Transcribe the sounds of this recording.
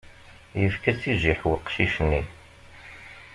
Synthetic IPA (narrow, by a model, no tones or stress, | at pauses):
jəfkæt͡sːiʒiħwəqʃiʃnːi